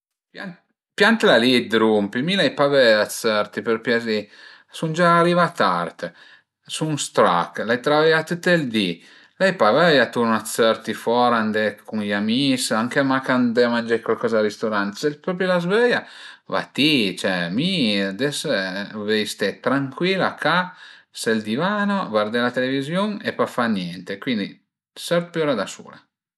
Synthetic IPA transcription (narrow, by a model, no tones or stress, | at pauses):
pja | pjant̪lalid̪ɾumpimilajpavɛat̪sɛɾt̪ipəɾpjazi | sund͡ʒaːɾivat̪a̰rt̪ | suŋst̪ɾa̰klajt̪ɾavɛjat̪ut̪ːeld̪i | lajpavɛjat̪uɾnat̪sɛɾt̪ifɔɾand̪ekuŋjamisaŋkemakand̪emand͡ʒɛkwalkɔzaaɾist̪oɾant̪sɛlpɾɔpɾjolazvɛjava̰t̪it͡ʃɛmid̪ɛsvɛjst̪ɛt̪ɾaŋkwilakasɛld̪ivaːnovard̪ɛlat̪elevizjoŋepafanjɛnt̪ekwind̪ḭ | sɛɾpjuɾad̪asṵːla̰